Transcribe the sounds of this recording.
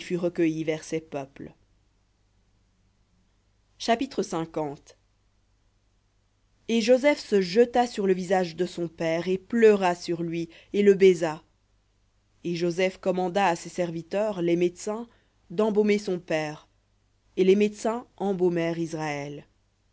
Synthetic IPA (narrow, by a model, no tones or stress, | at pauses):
fyʁəkəjivɛʁsɛpœpl | ʃapit̪χəsɛ̃kɑ̃t̪ | eʒozɛfsəʒət̪asyʁləvizaʒd̪əsɔ̃pɛʁeplœʁasyʁlɥi | eləbeza | eʒozɛfkɔmɑ̃d̪aːsesɛʁvit̪œʁlɛmed̪sɛ̃ | d̪ɑ̃bomesɔ̃pɛːʁ | elɛmet̪sɛ̃ɑ̃bomɛʁizʁaɛl